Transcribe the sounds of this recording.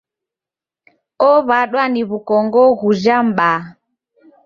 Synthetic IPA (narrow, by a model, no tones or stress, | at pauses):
ɔβaɗwaniβukɔŋɡɔɣud͡ʒam̩ɓa